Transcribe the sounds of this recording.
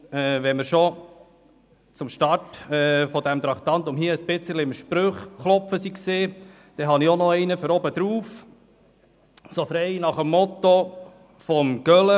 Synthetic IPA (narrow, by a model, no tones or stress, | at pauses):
ɛːʋɛməɾʃɔ | t͡sʊmʃtɑɾtɛːfɔd̪æmt̪ɾɑχt̪ɑnt̪ʊmɦiːəəsbɪt͡səliɪmʃpɾøχχlɔpfəsikseː | d̥ɛɦɑniɔnɔɛɪnəfəɾɔbəd̪ɾuːf | sofɾɛɪnɑχəmːɔt̪o | fɔmɡ̥œlə